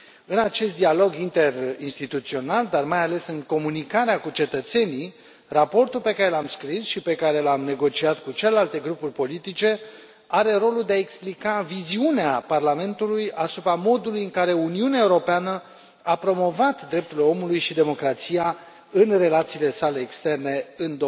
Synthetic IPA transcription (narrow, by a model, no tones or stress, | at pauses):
ɨnat͡ʃe̞st̪̚d̪ialo̞ɡint̪e̞rinst̪it̪ut̪sio̞nald̪armajale̞sɨŋko̞munikaɾeakut͡ʃe̞t̪ət̪se̞ni | rapo̞rt̪ulpe̞kaɾe̞lamskɾisʃipe̞kaɾe̞lamne̞ɡo̞t͡ʃiat̪kut͡ʃelelalt̪e̞ɡɾupurʲpo̞lit̪it͡ʃe̞ | aɾe̞ɾo̞luld̪eaeksplikaviziuneaparlame̞nt̪ulujasupɾamo̞d̪ulujɨŋkaɾe̞uniuneaeuɾo̞peanə | apɾo̞mo̞vat̪d̪ɾe̞p̚t̪ulo̞mulujʃid̪e̞mo̞kɾat̪sija | ɨnre̞lat̪siːle̞sale̞ːkst̪e̞rne̞ɨnd̪o